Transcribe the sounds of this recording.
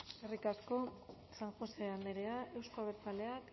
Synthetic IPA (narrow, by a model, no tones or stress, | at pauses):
erikasko̞ | saŋxuseand̪eɾeaʔe̞wskoaβeɾt͡sale̞ak